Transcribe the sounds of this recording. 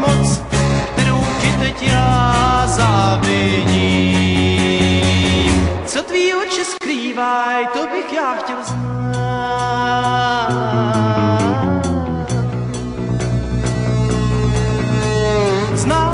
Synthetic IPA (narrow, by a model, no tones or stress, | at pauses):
mot͡skt̪ɛɾowkɪt̪ɛcɪ | zaːvɪɟiː | t͡sot̪viːot͡ʃɪskɾiːvajt̪obɪxjaːxcɛlzn | znaː